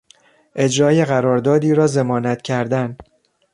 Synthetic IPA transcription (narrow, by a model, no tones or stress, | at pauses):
ʔe̞d͡ʒɾɒːjeɣæɾɒːɾd̪ɒːd̪iːɾɒːze̞mɒːnæt̪ʰcʰæɾd̪æn